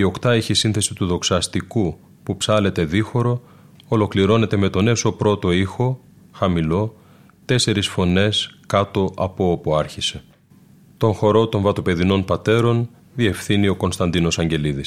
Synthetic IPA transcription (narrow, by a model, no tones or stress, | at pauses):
io̞kt̪ɐeçisinθe̞sit̪uðo̞ksɐst̪iku | pupsɐle̞t̪e̞ðixo̞ɾo̞ː | lo̞kliɾo̞ne̞t̪e̞me̞t̪o̞ne̞so̞pɾo̞t̪o̞ixo̞ | xɐmilo̞ | t̪e̞se̞ɾisfo̞ne̞skɐt̪o̞ʔɐpo̞opuɐɾçise̞ | t̪o̞ŋxo̞ɾo̞t̪o̞ɱvɐt̪o̞pe̞ðino̞npɐt̪e̞ɾo̞n | ðie̞fθinio̞ko̞nst̪ɐnd̪ino̞sɐɲɟe̞liðis